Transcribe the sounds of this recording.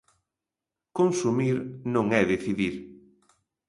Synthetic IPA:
konsumiɾnõŋɛðeθiðiɾ

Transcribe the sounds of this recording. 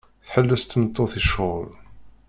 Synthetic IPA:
θħəlːæst̪ːmət̪ˤːoθiʃʊl

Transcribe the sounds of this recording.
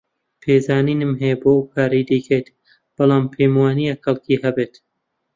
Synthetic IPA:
pʰeːzaːniːnɨmɦejbokʰaːɾijd̪ikʰejt̪ | b̥ɨlˠɑːmpʰejmwɑːnijaxɐlˠkʰihɐbeːt̪

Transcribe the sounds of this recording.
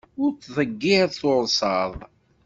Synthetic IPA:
ʊɾt͡sːðˤəɡːɪθʊɾsɑðˤ

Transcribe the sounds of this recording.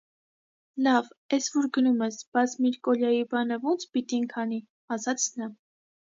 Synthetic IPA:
lɑvɛsvɔɾɡənumɛsb̥ɑt͡sʰmiɾkɔljɑjibɑnəvɔnt͡sʰpit̪inkʰɑni | ɑsɑt͡sʰnɑ

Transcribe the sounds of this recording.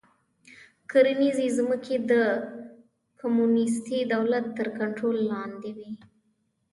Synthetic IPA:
kəɾnizizməked̪ə | kʰamunɪst̪id̪awlat̪ːəɾkaɳʈɾolːɑnd̪ewi

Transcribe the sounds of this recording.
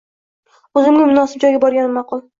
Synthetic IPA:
ɵzɪmɡʲamʊnɒsɪp̚d͡ʒɒjɡʲabɒɾɡʲanɪmɑqʊlˠ

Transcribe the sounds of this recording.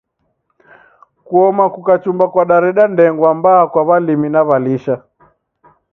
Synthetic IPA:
kuɔmakukat͡ʃumbakwaɗaɾɛɗandɛŋɡwambaːkwaβaliminaβaliʃa

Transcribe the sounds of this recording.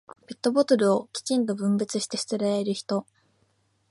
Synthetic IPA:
pe̞t̪ːo̞bo̞t̪o̞ɾɯ̟o̞kʲi̥t͡ɕĩnt̪o̞bɯ̟̃mbɯ̟t͡sɨɕi̥t̪e̞ɕi̥t̪eɾaeɾɯ̟çi̥t̪o̞

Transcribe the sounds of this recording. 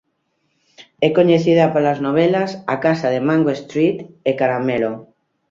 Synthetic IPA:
ɛkoɲeθiðapolaznoβ̞ɛlasakasaðemãŋɡoest̪ɾit̪ekaɾamɛlo

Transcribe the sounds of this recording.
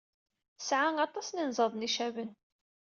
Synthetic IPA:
sʕaŋɑt̪ˤɑsninzˤɑðˤniʃævən

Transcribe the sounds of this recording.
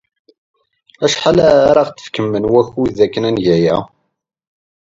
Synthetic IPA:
æʃħalæɾɑʁtːə̥fkəmːənwæçuðækːənænʝæjæ

